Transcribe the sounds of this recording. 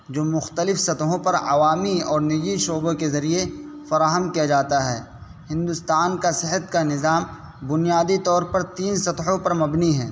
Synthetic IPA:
d͡ʒoːmʊxt̪əlɪfsɐt̪ɦõpɐɾɐ̰ʋaːmiɔːɾnɪd͡ʒiʃoːbõkezɐɾie | fɐɾaːɦəmkijad͡ʒaːt̪aɦɛː | hɪ̃nd̪ʊst̪aːnkasɪɦət̪kanɪzaːm | bʊnijaːd̪it̪ɔːɾpɐɾt̪iːnsɐt̪ɦõpɐɾmɐbniɦɛ̰̃ː

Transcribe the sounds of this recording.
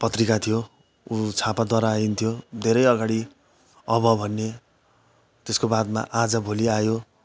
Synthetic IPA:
pʌt̪rikat̪ʰijo | ut͡sʰapad̪waɾaːint̪ʰijod̪ʱeɾʌjʌɡaɽi | ʌbʌbʱʌnːe | t̪eskobad̪ma̰ʔad͡zʌbʱoliajo

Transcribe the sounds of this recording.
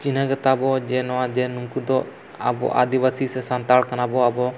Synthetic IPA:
t͡ʃinaɡət̪abɔd͡ʒɛnɔwad͡ʒɛnuŋkud̪ɔ | a̰bɔ̰ʔa̰d̪ibasisɛsant̪aɭkanabɔabɔ

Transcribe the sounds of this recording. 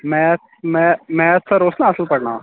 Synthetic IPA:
mɛ̃ | mɛ̃mɛ̃t̪saɾosnaːsəlpəɽɳa

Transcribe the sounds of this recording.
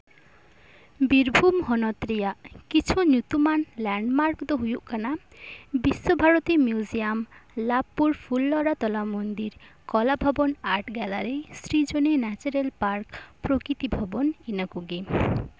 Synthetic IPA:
biɾbʱumɦɔnɔt̪ɾijaʔkit͡ʃʰunjut̪umanlɛɳɖmaɾkd̪ɔɦujuʔkana | bisːobʱaɾot̪imjuziamlapːuɾpʰulːɔɾat̪ɔlamond̪iɾ | kɔlabʱɔbɔnaɾʈɡɛlaɾesɾid͡ʒonenɛt͡ʃɔɾelpaɾkpɾokɾit̪ibʱɔbɔninakuɡi

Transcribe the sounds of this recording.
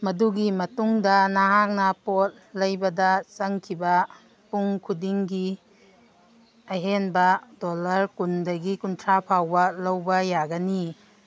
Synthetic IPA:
mɐduɡimɐtuŋdɐnaɦak̚nɐpot̚lɐjbɐdɐt͡ʃɐŋkʰibɐ | puŋkʰudiŋɡi | ɐɦenbɐdolɐɾkundɐɡikuntʰɾapʰawbɐlɐwbɐjaɡɐni

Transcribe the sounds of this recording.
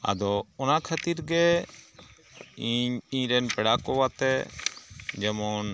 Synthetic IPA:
a̰d̪ɔɔnakʰat̪iɾɡɛ | iɲiɲɾɛnpɛɽakɔwat̪ɛ | d͡ʒɛmɔn

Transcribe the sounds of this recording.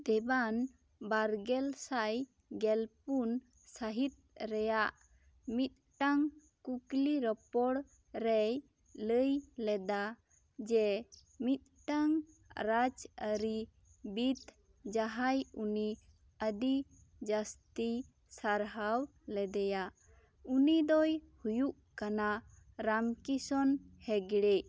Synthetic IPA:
d̪ɛban | baɾɡɛlsaj | ɡɛlpun | saɦit̪̚ɾɛjaʔ | mit̪̚ʈaŋ | kukliɾɔpɔɽ | ɾɛj | ləjlɛd̪a | d͡ʒɛ | mit̪̚ˀʈaŋ | ɾad͡ʒəɾi | bit̪ | d͡ʒaɦajuni | əd̪i | d͡ʒast̪i | saɾɦaw | lɛd̪ɛja | unid̪ɔjhujuʔkana | ɾamkisɔnhɛɡɽɛ

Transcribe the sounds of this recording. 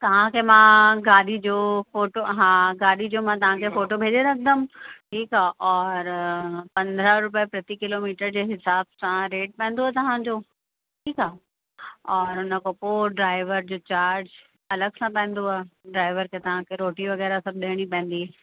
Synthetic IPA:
t̪ɐʋ̤ãkʰemãɡaːɗid͡ʑoːfoːʈoɦãːɡaːɗid͡ʑoːmãt̪ɐʋ̤ãkʰefoːʈobʱeːd͡ʑeɾɐkʰə̃d̪əmʈʰiːkaʔɔːɾpɐ̃nd̪ɾəɾʊpjpɾɐt̪ikɪlomiːʈəɾd͡ʑeːɦɪsaːbsãɾeːʈ̚pɐ̃ːnd̪oat̪ɐʋ̤ãɲd͡ʑoː | ʈʰiːkaː | ɔːɾʊnə̆kopoːɖɾaːɪʋəɾd͡ʑoːt͡ɕaːɾd͡ʑ | ɐləɡsãpɛ̃ːnd̪oaːɖɾaːɪʋəɾkʰet̪ɐʋ̤ãkʰeɾoːʈiʋɐɣɛːɾasɐb̚ʱɗeɽ̃ipɛ̃ːn̆d̪i

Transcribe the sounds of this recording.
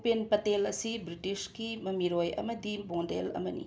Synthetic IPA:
penpɐtelɐsibɾitiskimɐmiɾojɐ̰mɐdibõndḛlɐ̰mɐnḭ

